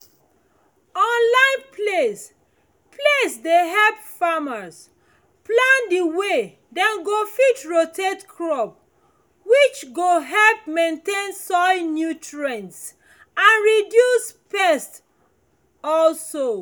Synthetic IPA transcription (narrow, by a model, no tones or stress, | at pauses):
ɔ̃nlãɪ̃npʰles | pʰlesdeɦɛlpfaməs | plãndiwe | dɛ̃nɡofitɹotʰetkʰɹɔp̚ | wit͡ʃɡoɦɛlp̚mẽntẽnsɔnjutɹɛ̃ns | ãnɹidjuspɛst | ɔlso